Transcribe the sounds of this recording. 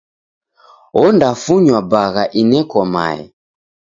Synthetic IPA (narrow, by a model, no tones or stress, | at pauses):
ɔndafuɲwabaɣaʔinɛkɔma̰ɛ̰